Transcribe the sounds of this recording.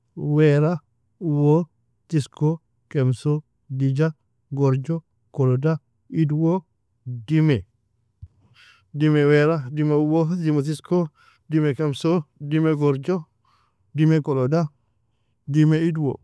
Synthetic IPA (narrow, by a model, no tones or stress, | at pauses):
weɾa | uwo | tisko | kemso | did͡ʒa | ɡoɾd͡ʒo | koloda | idwo | dime | dimeweɾadimeuwodimot̬isko | dimekemsodimeɡoɾd͡ʒo | dimekoloda | dimeidwo̰